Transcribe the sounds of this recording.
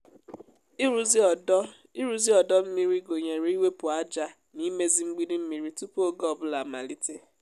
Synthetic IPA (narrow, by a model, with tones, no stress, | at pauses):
ɾu˦z | i˦ɾu˦zi˦ɔ˨dɔ˦m̩˦mi˦ɾi˦ɡo˨ɲe˨ɾi˦i˦we˦pʊ˨a˦d͡ʒa˦ | ni˦me˦zi˦ŋ͡m̩˦ɡ͡bi˦di˦m̩˦mi˨ɾi˦tu˦po˦ɡɔ˨bʊ˦la˨ma̰˨li˦te˦